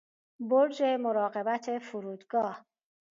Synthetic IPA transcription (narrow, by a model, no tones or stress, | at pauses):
boɾd͡ʒe̞moɾɒːɢe̞bæt̪ʰefuɾuːd̪ɡɒːh